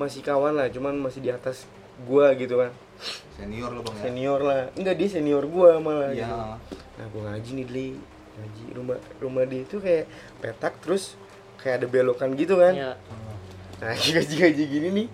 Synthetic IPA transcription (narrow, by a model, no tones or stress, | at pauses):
masɪkawanlaht͡ʃumanmasɪdiat̪as | ɡuaɡit̪ukan | seniɔrseniɔrlahŋɡadiaseniɔrɡuamala | na̰ɡuaŋad͡ʒinidli | ŋad͡ʒiruma̰rumadɛit̪ukajaʔ | pet̪ak̚t̪əɾʊs | kajadabelokanɡit̪ukan | ŋad͡ʒiɡad͡ʒiŋad͡ʒiɡinini